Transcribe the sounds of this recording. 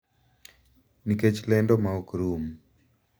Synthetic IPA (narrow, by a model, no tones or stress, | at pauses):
niket͡ʃlɛndɔmaɔkɾum